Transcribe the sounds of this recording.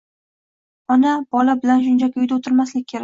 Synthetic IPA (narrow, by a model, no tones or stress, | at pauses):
ɒnabɒlabɪlanʃ̬ʊnd͡ʒakʲʊjd̪aot̪ʰɪɾmaslɪk̚ʲkʰːe̞ɾa